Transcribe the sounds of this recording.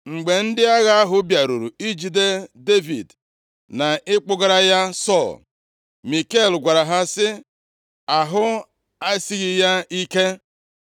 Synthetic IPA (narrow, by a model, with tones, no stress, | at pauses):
ŋ͡m̩˨ɡ͡be˨n̩˦dɪ˦a˦ɣa˦a˦ɦʊ˦bja˨ɾu˨ɾu˨i˦d͡ʒi˨de˦de˦vḭ˨d | na˨ʔɪ˦k͡pʊ˦ɡa˦ɾa˦ja˦sɔ˦˨l | mi˨ke˦˨lɡʷa˨ɾa˨ɦa˦sɪ˦ | a˨ɦʊ˦ | a˦si˦ɣi˨ja˦i˦ke˦